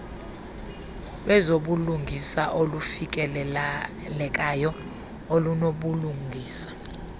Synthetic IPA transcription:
ɓɛzoɓuluŋɡʱisaʔolufik̬ʼɛ | lɛk̬ʼajɔ | olunoɓuluŋʱiːsḁ

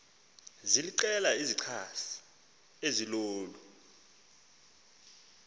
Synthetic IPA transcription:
ziliǀɛlaiziǀʰasi̥ | eziloːlu

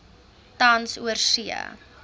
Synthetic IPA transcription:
tɐnsuərsiə̰

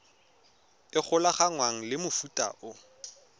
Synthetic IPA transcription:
ɪk͡xʰʊlaχaŋwaŋ̩lɪmʊfutʼa̰ʔʊ

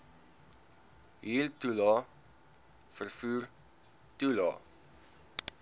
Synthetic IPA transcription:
ɦiːltulɑ | fərfuːr | tulɑ̰

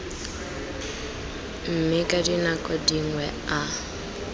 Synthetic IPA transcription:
m̩mɪkʼadinakʼɔdiŋwɛa

